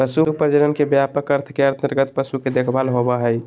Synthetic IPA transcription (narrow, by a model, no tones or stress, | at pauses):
pəsupəɾd͡ʒəɾənkebjapəkəɾt̪ʰə̥keəɾt̪ʰnɪɾɡət̪̚pəsuked̪ekʰbalɦobaɦəj